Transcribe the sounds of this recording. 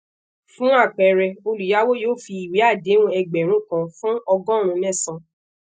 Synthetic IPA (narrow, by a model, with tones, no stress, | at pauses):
fũ˦a˦˨k͡pɛ˨ɾɛ˧o˧lu˨ja˨˦wo˦joː˦˨fi˧i˨we˨˦a˦˨de˨˦nũ˦ɛ˧ɡ͡bɛ˨ɾ̃ũ˦kã˧fũ˦ɔ˧ɡɔ̃˦ɾ̃ũ˧nɛ̃˦˨sã˨˧